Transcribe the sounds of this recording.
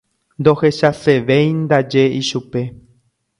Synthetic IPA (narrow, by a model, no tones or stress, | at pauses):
nd̪o̞he̞ʃase̞ʋejnd̪ad͡ʒe̞iʃupe̞